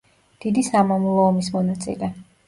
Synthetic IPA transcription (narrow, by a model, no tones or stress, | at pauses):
d̪̥id̪isamɔmulˠɔːmismɔnat̪sʼḭlɛ